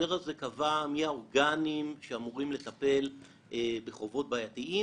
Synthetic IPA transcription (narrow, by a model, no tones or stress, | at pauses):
eʁaze̞kavamiaoʁɡanimʃeamuʁimle̞t̪ape̞l | ʔebeχo̞vo̞t̚baːjatiʔi